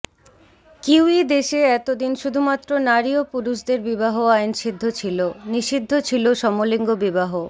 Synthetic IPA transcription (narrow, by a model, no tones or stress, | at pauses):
kiwid̪eʃeɛt̪od̪inʃud̪ʱumat̪ːɾonaɾiopuɾuʃd̪eɾbibaɦoajnʃid̪ʱːot͡ɕʰiloniʃid̪ʱːot͡ɕʰiloʃɔmoliŋɡobibaɦo